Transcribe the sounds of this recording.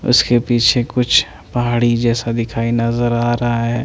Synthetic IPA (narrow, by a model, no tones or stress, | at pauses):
ʊ̰skepiːt͡ʃʰekʊt͡ʃʰ | pɐɦaːɽid͡ʒɛːsad̪ɪkʰaːinɐzəɾaːɾɐɦaɦɛː